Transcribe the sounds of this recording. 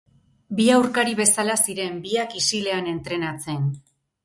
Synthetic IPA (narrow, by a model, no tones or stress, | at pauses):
biawɾkaɾiβe̞salasiɾe̞mbiakisile̞ane̞nt̪ɾe̞nat͡se̞n